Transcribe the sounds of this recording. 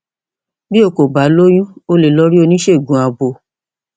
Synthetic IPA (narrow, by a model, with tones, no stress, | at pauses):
bi˦o˧˨ko˨ba˨˦lo˦j̃ũ˦o˦le˨lɔ˧˦ɾi˦o˧nĩ˦ʃe˦˨ɡũ˨˦a˧bo˨˧˨